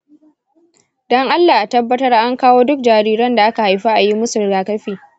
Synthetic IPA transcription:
dɔ˦ŋʔa˦lːaː˨ʔa˨tɐ˦bːɐ˦tɐ˦rʔa˦ŋkaː˦woː˦dʊ˦k̚d͡ʒaː˨ɾiː˦ɾɐ˦nda˨ʔa˦ka˨ha˨jɸa˦ʔa˨ji˦mʊ˦sʊ˨ɾɡaː˨kɐ˦ɸiː˨

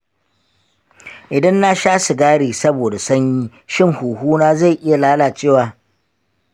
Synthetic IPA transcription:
ʔɪ˨dɐ˦nːa˦ʃaː˦su˨ɡaː˦ɽiː˨sɐ˦boː˨da˨sɐ˦ɲjiː˦ | ʃɪ˦ŋhuː˨ɦuː˦naː˦za˦˨jʔɪ˦ja˨laː˦laː˨t͡ʃeː˦˨waː˨

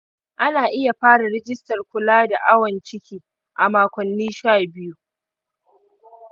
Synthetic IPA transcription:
ʔa˦naː˨ʔɪ˦ja˨ɸaː˦ɽa˨ɽɛ˦d͡ʒɪ˦stɐ˨rkʷʊ˨laː˦da˨ʔa˦wɐ˨nt͡ʃɪ˦kʲiː˨ | ʔa˨maː˨kʷɔ˨nːiː˦ʃaː˦˨bɪ˦ju˦

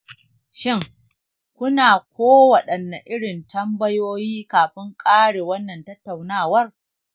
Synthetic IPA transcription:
ʃɪ˦ŋ | kʷʊ˦naː˨kʷoː˦wɐ˨ɗɐ˨nːa˨ʔɪ˦ɽɪ˨ntɐ˦mbɐ˦joː˦jiː˦kaː˨ɸɪ˦ŋkʼaː˦ɽeː˨wɐ˦nːɐ˨ntɐ˦tːa˨wnaː˦˨wɐ˦r

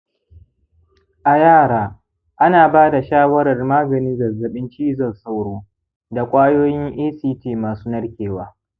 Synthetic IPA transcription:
ʔa˨jaː˦˨ɽaː˦ | ʔa˦naː˨baː˦da˨ʃaː˦wɐ˦ɾɐ˨rmaː˦ɡɐ˨nɪ˦zɐ˨rzɐ˨ɓɪ˦nt͡ʃiː˦zɐ˨rsa˦wɽoː˦ | da˨kʷʼaː˦joː˦jɪ˦ŋʔiː˦siː˦tiː˦˨maː˨suː˦nɐ˦ɽkʲeː˨waː˦

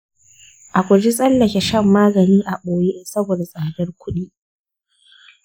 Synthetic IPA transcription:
ʔa˨kʷʊ˨d͡ʒi˦sʼɐ˦lːɐ˨kʲe˨ʃɐ˦˨mːaː˦ɡɐ˨niː˦ʔa˨ɓoː˨ji˦ʔɛ˦nsɐ˦boː˨da˨sʼaː˨dɐ˦rkʷʊ˦ɗiː˦

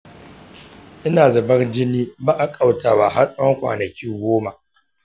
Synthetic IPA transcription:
ʔɪ˦naː˨zɐ˨bɐ˦rd͡ʒɪ˦niː˦baː˦ʔa˨kʼa˦˨wtaː˨wa˨ɦa˦sʼɐ˦ŋkʷa̰ː˨nɐ˨kʲiː˦ɡʷoː˦ma˨

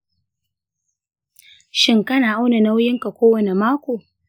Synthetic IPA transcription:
ʃɪ˦ŋkɐ˦naː˨ʔa˦wna˨na˦wjɪ˦ŋka˨kʷoː˦wɐ˨ne˨maː˦kʷoː˨

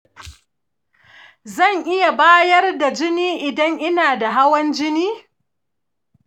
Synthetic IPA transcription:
zɐ˦˨ŋʔɪ˦ja˨baː˦jɐ˦rda˨d͡ʒɪ˦niː˦ʔɪ˨dɐ˦ŋʔɪ˦naː˨da˨ɦa˦wɐ˦nd͡ʒɪ˦niː˦

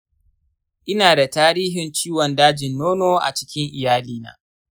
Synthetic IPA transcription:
ʔɪ˦naː˨da˨taː˦ɾiː˦ɦɪ˨nt͡ʃiː˦wɔ˨ndaː˦d͡ʒɪ˨nːoː˦noː˦ʔa̰˨t͡ʃɪ̥˦kʲɪ˦ŋʔɪ˨jaː˦liː˦na̰ː˦

